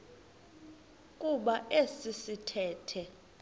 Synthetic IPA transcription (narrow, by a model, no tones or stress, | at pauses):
k̬ʼuɓaʔesisitʰɛːtʰɛ